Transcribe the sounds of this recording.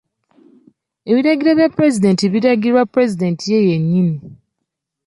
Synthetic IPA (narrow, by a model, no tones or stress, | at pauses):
e̞βiɾaɡiɾaβjapɾe̞zide̞ntiβiɾaɡiɾwapɾe̞zide̞ntije̞jeɲːini